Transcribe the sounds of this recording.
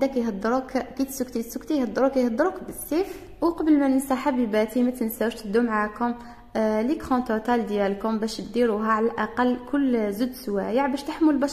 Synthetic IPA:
d̪ækjɦɑd̪ˤːɾukkit̪sʊkt̪isʊkt̪ijhɑd̪ːˤɾukæjhɑd̪ˤːɾukbəsːif | wqɑbəlmænənsaħabibæt̪imət̪əlnsæwʃt̪d̪umʕakʊm | likʁɑ̃t̪ot̪æld̪jælkʊmbæʃt̪d̪iɾuɦæʕalælʔɑqɑlːkʰʊlːzud̪swæjəʕbæʃt̪aħmʊlbɑʃ

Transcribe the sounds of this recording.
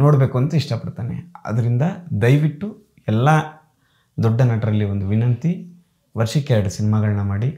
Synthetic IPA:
noːɽbe̞ːkuɐnt̪uiʂʈɐpɐɽt̪aːnḛɐ̰d̪ɐɾind̪ɐd̪ɐjʋiʈːu | ɛlːɐ | d̪ɔɖːɐnaːʈɐɾɐlːiʋo̞nd̪uʋinɐnt̪i | ʋɐɾʂɐkːeɐɖɐsinimaːɡɐɭɐnɐmaːɽi

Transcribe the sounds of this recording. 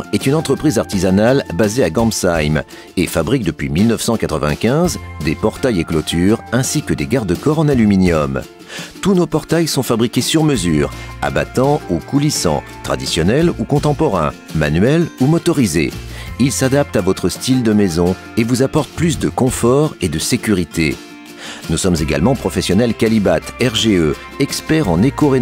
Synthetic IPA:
ʁɛt̪ynɑ̃t̪χəpχizaʁt̪izanalbazeaɡɑ̃msajm | efabʁik̚d̪əpɥimilnəfsɑ̃kat̪χəvɛ̰̃kʲɛ̃zd̪epɔʁt̪ajeklot̪ʰyʁɛ̃sikəd̪eɡaʁd̪əkɔʁɑ̃nalyminjɔm | t̪unopɔʁt̪ajsɔ̃fabʁikʲesyʁməzyːʁa̰ba̰t̪ɑ̃ukulisɑ̰̃t̪χa̰d̪isjɔnɛlukɔ̃t̪ɑ̃pɔʁɛ̰̃ | ma̰nɥɛlumɔt̪ɔʁizḛilsad̪ap̚t̪avɔt̪χəst̪ild̪əmɛzɔ̃ | evuzapɔʁt̪̚plys̬d̪əkɔ̃fɔʁed̪əsekʲyʁit̪ḛ | nusɔmzeɡa̰lmɑ̃pχɔfɛsjɔnɛlkalibat̪ɛʁʒeø | ɛkspɛʁɑ̃nekoʁe

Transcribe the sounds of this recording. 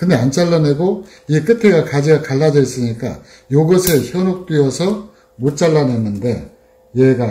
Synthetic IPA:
kɯnde̞ant͡ɕ͈aɭːane̞ɡo | iek͈ɯtʰe̞ɡakad͡ʑiɡakaɭːad͡ʑʌis͈ɯɲik͈a̰ | joɡʌsʰe̞çjʌnok̚t͈ɥiʌsʰʌ | mot͡ɕ͈aɭːane̞nːɯnde̞ | jeɡa

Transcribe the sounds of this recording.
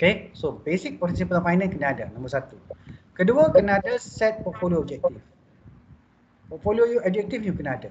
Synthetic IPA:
okesobesik̚pɔrt̪isipəlɔfajnə̃nkənaːda̰nɔ̃mbərsat̪ukəduəkənaadəsɛt̪̚pɔt̪̚folioːb̚d͡ʒɛk̚t̪if | pɔt̪̚foliojoɔb̚d͡ʒɛk̚t̪ifjukənaada

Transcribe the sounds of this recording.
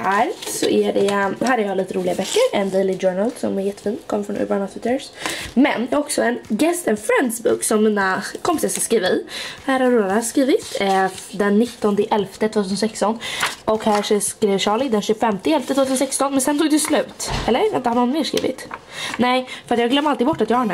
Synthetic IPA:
hæːɾsɔ̰ʔæɖɛɦæːɾjɑliːt̪əɾuːlɪɡabœkːəɾɛnd̪elɪd͡ʒœːɳalsɔ̰mɛɾjɛt̪ːə̥fiːnkʰɔmːəfɾɔnʉ̰baɳɔt̪ʰwɪt̪ːəɾsmɛ̰njɑaɔksɔɛnɡɛst̪ɛnfɾɛnd̪sbʊ̰ksɔmːiːnakʰɔmpɪsasaskɾiːvɪhæːɾhaɾod̪askɾiːvɪt̪d̪ɛnːɪt̪ːɔnd̪əʔɛlft̪ət̪ʰv̥ot̪ʰʉsənsɛkst̪ɔnʔɔkhæːʂɔskɾeːvɕɑːɭɪd̪ɛnɕɵɡfɛmt̪ɪɛlft̪ətʰvot̪ʰʉsnsɛkst̪ɔnmɛnsɛnt̪ʰuːɡd̪ɛslʉ̟ːt̪ɛlːəɾɪnt̪əhadʊnmeːʂkɾḭːvɪ̰t̪nɛɪfœɾat̪jɑːɡlœmːɾalt̪ɪɡbɔʈːat̪jɑːhaɳæ

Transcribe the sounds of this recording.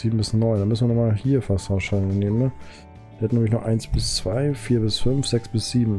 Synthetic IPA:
z̥iːbm̩bɪsnɔʏndanmʏsn̩viːənɔɐχmaːlhiːɐfasaʃaneːmən | vihɛtnemɪçnuɐʔaɪnsb̥ɪst͡sv̥aɪfiːɐbɪsfʏnfz̥ɛksb̥ɪsz̥iːbm̩

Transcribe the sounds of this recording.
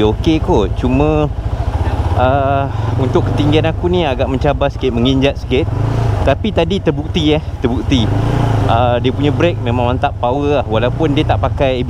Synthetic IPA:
okekot͡ʃumə̃ | əunt̪ʊkːə̥t̪iŋɡianakuniaɡaʔmə̃ɲt͡ʃabasi̥kɪt̪̚məŋiɲd͡ʒat̪̚sə̥kɪt̪̚ːapit̪adit̪ərbuk̚t̪iɛht̪ərbuk̚t̪iʔədiəpuɲãbɾek̚mẽmãŋmãnt̪aʔpawəlahwalaupʊndiət̪aʔpakaj

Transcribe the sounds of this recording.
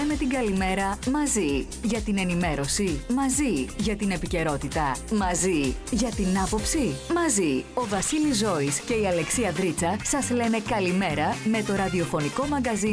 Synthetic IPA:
ɐne̞t̪iŋɡɐlime̞ɾɐmɐzi | ʝɐt̪ine̞nime̞ɾo̞simɐziʝɐt̪ine̞pice̞ɾo̞t̪it̪ɐmɐziʝɐt̪inɐpo̞psimɐzio̞vɐsilizo̞isce̞iɐle̞ksiɐðɾit͡sɐsɐzle̞ne̞kɐlime̞ɾɐme̞t̪o̞ɾɐðio̞fo̞niko̞mɐɡɐzi

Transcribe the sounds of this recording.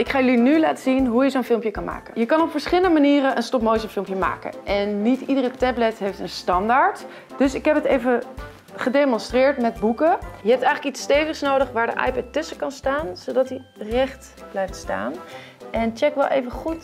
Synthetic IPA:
ɪkχaːjəlinyla̰ːtəzinɦujəzonfɪlˠmpjəkɑnma̰ːkəjəkɑnɔpfəɹsχɪləndəmaniːrəʔənstɔpmowsənfɪlˠmpjəma̰ːkə̰nʔɛnːitidərətɛblɛtɦejftənstɑndaɹt | d̥ɵsɪkɦɛpətejvə | χədejmɔ̃nstrɪːɹtmɛd̚bukəjəɦɛp̚tɛjxχələkitstejvəχsnowdəχʋaːɹdə̰ʔɑ̰jpɛtʏsəkɑnstaːnz̥owdɑtirɛχt | b̥lɛjftsta̰ːn | ʔɛnt͡ʃɛkʋɛlˠʔḛjvəχut

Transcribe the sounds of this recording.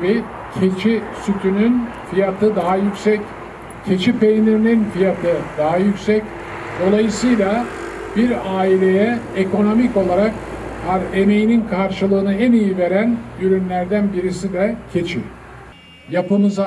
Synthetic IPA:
bi | cʰet͡ʃʰisyt̪ʰynynfijat̪ʰɯd̪aɦajykʲsɛc | cʰe̞t͡ʃʰipejnʲiɾininfijat̪ʰɯd̪aɦajycsɛc | d̪̥o̞lˠajɯsɯjlˠa | biɾaːilʲe̞jɛeko̞no̞mico̞lˠaɾak | haɾe̞me̞jininkʰaɾʃɯlˠɯːnɯænijive̞ɾænjyɾynlʲæɾd̪ænbiɾisid̪ɛcʰe̞t͡ʃʰi | japɯmɯza

